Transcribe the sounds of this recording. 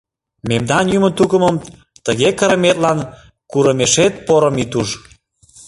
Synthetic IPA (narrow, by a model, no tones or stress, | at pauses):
memd̪ɑnjymənt̪ukəməm | t̪əɣekəɾəmet̪lɑn | kuɾəmeʃet̪̚poɾəmit̪uʃ